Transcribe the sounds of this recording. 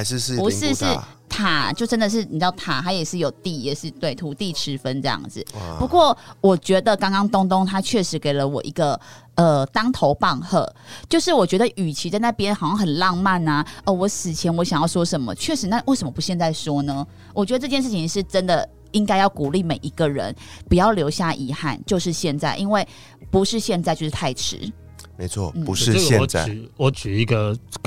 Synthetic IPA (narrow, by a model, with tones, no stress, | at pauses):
ʂɻ̩˥˧pu˧ʂɻ̩˥˧ʂɻ̩˥˩t̪ʰa˨˩t͡ɕjo˥˩ʊʈ͡ʂə˦˥nd̪ə˨ʂ̬ɻ̩˥˩pi˨˩t͡ɕjɑ˥˩ʊt̪ʰa̰˨˩t̪ʰa˧˥jɛ˨˩ʂɻ̩˥˩jo˨˩ʊt̪i˥˩jɛ˨˩ʂɻ̩˥˧t̪we˥˩ɪt̪ʰu˧˥t̪i˥˧ʈ͡ʂʰɻ̩˧˥fə˦nʈ͡ʂɤ˥˧jɑ̰˥˩ŋd͡zɹ̩˨˩pu˧˥kwɔ˥˩wɔ˨˩t͡ɕɥɛ˧˥d̪ə˨kɑ˥ŋkɑ˥ŋt̪ʊ˥ŋt̪ʊ˥ŋt̪ʰa˥t͡ɕʰɥɛ˥˩ʂɻ̩˧˥ke˨˩ɪlə˦wɔ̰˨˩ʔi˧˥ɡə˧ | ə˨˩t̪ɑ˥ŋt̪ʰo˧˥ʊpɑ˥˧ŋxɤ̰˥˩t͡ɕjo˥˧ʊʂɻ̩˥˩wɔ˨˩t͡ɕɥɛ˧˥d̪ə˧˨ʔy˨˩t͡ɕʰi˧˥t͡sa˥˧ɪna˥˩pjɛ˥nxɑ˨˩ʊɕjɑ˥ŋxə˨˩nlɑ˥˧ŋma˥˨na˩ə˩wɔ˧˥sɹ̩˨˩t͡ɕʰjɛ˧˥nwɔ˦˥ɕjŋjɑ˥˩ʊʂwɔ˥ʂə˧˥nmə̰˧˦t͡ɕʰɥɛ˥˩ʂɻ̩˧˥na˥˧we˥˩ɪʂə˧˦mə˧˩pu˧˥ɕjɛ˥˧nt͡sa˥˩ɪʂwɔ˥nə˧ | wʔt͡ɕɥɛ˧˥d̪ə˧ʈ͡ʂɤ˥˩t͡ɕjɛ˥˧nʂ̬ɻ̩˥˩t͡ɕʰi˧ŋʂɻ̩˥˩ʈ͡ʂə˦nd̪ə˨ | i˦ŋka˥ɪjɑ˥˩ʊku˨˩li˥˩me˨˩ɪʔi˧˥ɡə˨ɻə̰˧˦npu˨˩jɑ˥˩ʊljo˧˥ʊɕja˥˨ʔi˧˥xa̰˥˧nt͡ɕjo˥˧ʊʂɻ̩˥˧ɕjɛ˥˧nt͡sa˥˩ɪʔi˥nwe˥˩ɪ | pu˧˥ʂɻ̩˥˧ɕjɛ˥˧nt͡sa˥˧t͡ɕo˥˧ʊʂɻ̩˥˩tʰa˥˩ɪʈ͡ʂʰɻ̩̰˧˦ | me˧˦ɪt͡sʰwɔ̰˥˩n̩˥˩pu˧˦ʂ̩˥˨˥ɛ˥˧ɔ˨˦˥wɔ˨˦t͡ɕy˨˩i˧˦ɡə˧